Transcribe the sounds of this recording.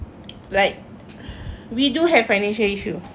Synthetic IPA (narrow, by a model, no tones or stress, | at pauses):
laɪk̚ | widuɦɛv̥fajnɛ̃nʃəliʃu